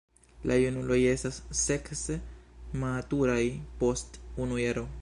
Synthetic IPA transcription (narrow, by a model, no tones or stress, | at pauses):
lajunulo̞je̞stasːeksematuɾajpostunujaɾo